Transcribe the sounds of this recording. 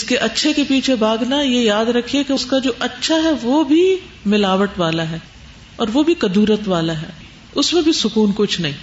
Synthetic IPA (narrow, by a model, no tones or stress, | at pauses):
ɪskeʔɐtːʃʰekepiːt͡ʃʰebʱaːɡnajejaːd̪ɾɐkʰiekeʊskad͡ʒoːʔɐtːʃʰaɦɛʋobʱi | mɪlaːʋəʈʋaːlaɦɛː | ɔːɾʋobʱikɐd̪uːɾət̪ʋaːlaɦɛː | ʊsmẽbʱisʊkuːnkʊt͡ʃʰnɐɦĩː